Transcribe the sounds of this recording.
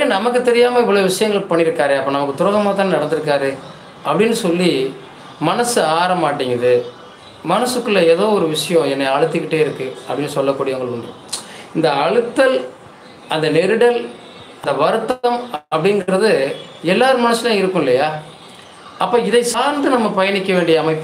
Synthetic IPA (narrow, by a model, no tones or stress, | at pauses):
enɐmɐkːɯt̪ɛɾɪjaːmɐɪʋːɔɭoːʋɪʂɐjɐŋɡɐɭpɐɳːɪɾɯkːaːɾeɐpːɐːnɐmɐkːɯt̪ʊɾɐɣɐmaːt̪aːnnɐɽɐnd̪ɯɾɯkːaːɾɯ | ɐpːɐɽɪnːɯsɔlːi | mɐnɐsɯaːɾɐmaːʈːɪŋɡɐðɯ | mɐnɐsɯkːɯlːɐɛːðoːɔɾɯʋɪʂɐjõɛnːɐɐɻɯt̪ːɯkːɪʈːeːɪɾɯkːɯɐpːɐɽɪnːɯsɔlːɐkːuːɽɪjɐʋɐŋɡɐɭʊɳd̪ɯ̰ | ɪnd̪ɐːɻɯt̪ːɐl | ɐnd̪ɐnɛɾɯɽɐl | nd̪ɐʋɐɾɯt̪ːɐmɐpːɐɽɪnɡɾɐðɯ | ɛlːaːɾɯmɐnɐsːɯlãːɪɾɯkːʊ̃ɪlːɐjaː | ɐpːoːɪðɐɪsaːɾnd̪ɯnɐmːɐpɐjɐnɪkːɐʋeːɳɖɪjɐːmɐɪpː